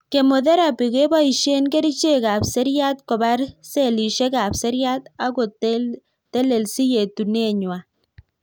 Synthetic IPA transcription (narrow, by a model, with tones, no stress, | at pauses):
ke˨mo˨ðɛ˦ɾa˨pi˨ke˦ba˦i˨ʃe˦nke˦ɾi˦t͡ʃe˦ka˨pse˦ɾja˦t̪kɔ˨ba˦ɾse˦˨li˨ʃe˦ka˨pse˦ɾja˦t̪a˦ko˨ | t̪ɛ˦le˨lsi˦je˨t̪u˨ne˦˨ɲwa˨